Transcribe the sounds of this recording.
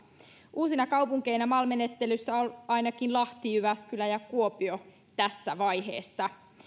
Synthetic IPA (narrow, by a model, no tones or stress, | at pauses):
uːsinɑkɑwpuŋke̞jnæmɑːlme̞ne̞t̪ːe̞lysːæolɑinɑkinlɑht̪ijyʋæskylæjɑkuo̞pio | t̪æsːæʋɑjhe̞̰ːsːɑ